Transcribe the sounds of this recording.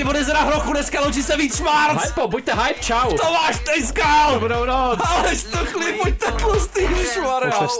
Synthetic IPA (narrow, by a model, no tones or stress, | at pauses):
ɪvodɛzɛɾaɦɾoxunɛskalowt͡ʃisɛviːt͡sʃmaɾɦajpobuc̚t̪ɛɦajpt͡ʃawt̪omaːʃt̪ɛjskalbnownoalɛʃt̪oxlipbuc̚t̪ɛklust̪iʃmaɾɛs